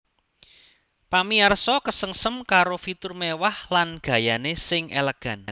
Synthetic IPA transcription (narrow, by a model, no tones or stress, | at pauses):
pamiarsɔkəsəŋsəmkaɾofit̪ʊrmewahlanɡ̥ä̤janesɪŋḛləɡ̥a̤n